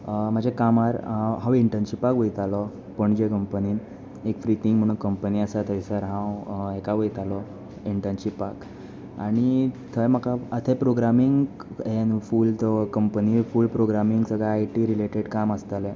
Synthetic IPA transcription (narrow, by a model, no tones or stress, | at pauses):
m̤əd͡ʑʱekamaɾɦãwiɳʈənɕipakʋəjt̪alɔ | pəɳd͡ʑekəmpəniːn | ekfɾit̪iŋɡm̤əɽ̃uːnkəmpəniəsat̪ʰəjsəɾɦãwekaʋəjt̪alɔ | iɳʈənɕipak | a̰ɽ̃it̪ʰəjm̤akaət̪ʰepɾoɡɾamiŋɡɦenfuːlt̪ɔkəmpənifuːlpɾoɡɾamiŋɡsəɡɭaːjʈiɾileʈeɽkaməst̪alɛ̃